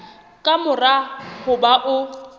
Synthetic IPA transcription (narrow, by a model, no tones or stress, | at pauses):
kʼamʊrahʊbaʔʊ